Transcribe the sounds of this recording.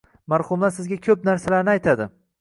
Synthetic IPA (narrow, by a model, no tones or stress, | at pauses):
maɾhʊmlaɾsɪzɡʲakʲʰɵp̚naɾsalaɾnɪajt̪ʰad̪ɪ